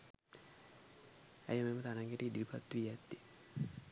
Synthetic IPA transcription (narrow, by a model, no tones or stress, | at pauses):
æ̰jəmemət̪anaŋɡeʈiidilipʰa̰t̪ːuʋijat̪ːi